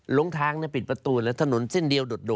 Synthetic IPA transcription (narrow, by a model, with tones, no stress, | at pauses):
lo˧˦ŋt̪ʰaː˧ŋni˥˩ɐ˩pi˨˩t̪̚pɾa˧t̪uː˧lɛ˦˥wt̪ʰa˧no˩˦nse˥˩ndi˧əwdo˨˩t̪̚do˨˩